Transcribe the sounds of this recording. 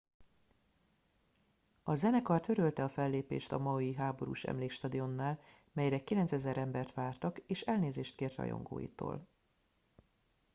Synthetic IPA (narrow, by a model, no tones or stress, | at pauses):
ɒzɛnɛkɒrt̪ø̞ɾølt̪ɛɒfɛlːeːpḛːʃt̪ɒ̰mɒjiɦaːbo̞ɾṵːʃɛ̰mleːkʃt̪ɒd̪io̞nːaːl | mɛjɾɛkilɛnt̪sɛzɛɾɛmbɛrt̪ʋaːrt̪ɒkeːʃɛlneːzeːʃt̪keːrt̪ɒ̰jo̞̰ŋɡo̰ːjḭt̪o̰ːl